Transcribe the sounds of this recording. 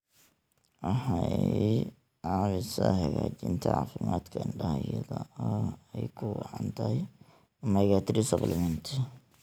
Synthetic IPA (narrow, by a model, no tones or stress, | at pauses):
wɑħɑj | ʕɑːβɪsɐhɐɣaːt͡ʃɪnt̪ʰɐ̰ʕɑ̰ːfɪmaːd̪kʰɐɪɳɖɐhjɐðɔɔɛjkʰʊwɑ̰ʕɑnt̪ʰɐhɛj | mɐɣat̪ʰɾisɐblɪmɛnt̪ʰɪ